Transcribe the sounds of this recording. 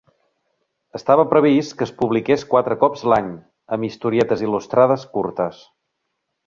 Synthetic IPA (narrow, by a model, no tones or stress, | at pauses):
əst̪aβəpɾəβ̞iskəːspuβlikeskwat̪ɾəkɔpzlaɲ | əmist̪uɾiɛt̪əzilust̪ɾaðəskuɾt̪əs